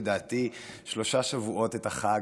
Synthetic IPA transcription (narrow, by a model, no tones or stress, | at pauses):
daːtiʃlo̞ʃaʃavuʔo̞tetaχa